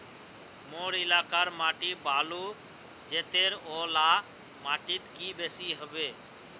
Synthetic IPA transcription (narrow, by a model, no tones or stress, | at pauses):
moːɾilaːkaɾmaːʈibʱaːlu | d͡ʒeːt̪eːɾoːlaː | maːʈit̪kiːbesiɦəbeː